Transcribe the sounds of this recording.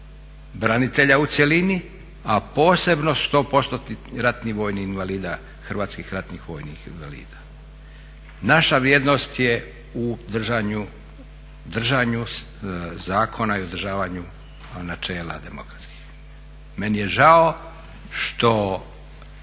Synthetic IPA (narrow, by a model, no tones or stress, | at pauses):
bɾanit̪eʎaut̪selini | apo̞ːse̞bnost̪o̞po̞st̪ot̪iɾat̪niʋo̞ːjniinʋaliːd̪a | xr̩ʋaːt̪skixɾat̪nixʋo̞̰ːjnḭxinʋa̰lḭːd̪̥a | naʃaʋɾjeːd̪nost̪je | ud̪r̩ʒaɲu | d̪r̩ʒaɲu | zaːkʰo̞naiod̪r̩ʒaːʋaɲu | nat͡ʃe̞ːla̰d̪e̞mo̰kɾḁt̪ski̥x | me̞nijeʒao | ʃt̪o